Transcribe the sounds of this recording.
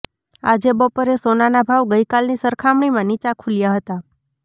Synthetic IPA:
a̰d͡ʒebɔpəɾesonanabʱaʋɡəikalnisəɾkʰamɳ̃imãnit͡ʃakʰuljaɦət̪a

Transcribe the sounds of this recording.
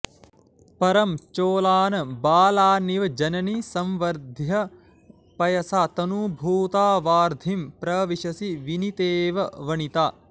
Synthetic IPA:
pɐɾɐmt͡ʃoːlaːnɐbaːlaːniʋɐd͡ʒɐnɐnisɐ̃mʋɐɾd̪ʱjɐ | pɐjɐsaːt̪ɐnubʱuːt̪aːʋaːɾd̪ʱimpɾɐʋiʃɐsiʋinit̪eːʋɐʋɐɳit̪aː

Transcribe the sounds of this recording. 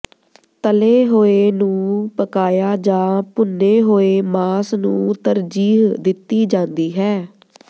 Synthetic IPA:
t̪əleːɦoːeːnũːpəkaːjaːd͡ʒãːpʊnːeːɦoːeːmaːsnṵ̃ːt̪əɾd͡ʒiːɦd̪ɪt̪ːiːd͡ʒãːnd̪iːɦɛː

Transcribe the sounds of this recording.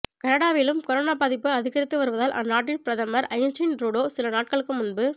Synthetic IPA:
kɐnɐɽaːʋɪlɯmkɔɾoːnaːpaːðɪpːɯɐðɪɣɐɾɪt̪ːɯʋɐɾɯʋɐðaːlʔɐ̰nːaːʈːɪlpɪɾɐðɐmɐɾɐɪnt͡ʃɪnɾuːɽoːsɪlɐnaːʈ̚kɐɭɯkːɯmʊnbɯ

